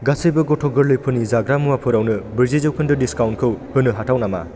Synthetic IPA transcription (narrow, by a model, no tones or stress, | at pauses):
ɡasɯjbɐɡɔtʰɔɡɯɾlɯjpʰɯnizaɡɾamuwapʰɯɾawnɯbiɾzizɯwkʰɯndɯdiskawnkʰɯwhɯnɯɦatʰawnama̰